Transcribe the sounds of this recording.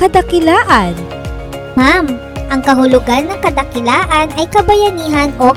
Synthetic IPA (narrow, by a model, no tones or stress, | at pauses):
kɐd̪ɐkɪlaːʔɐn | mam | ʔɐŋkɐɦʊlʊɡanːɐŋkɐd̪ɐkɪlaːʔɐnɐjkɐbɐjɐniːɦɐno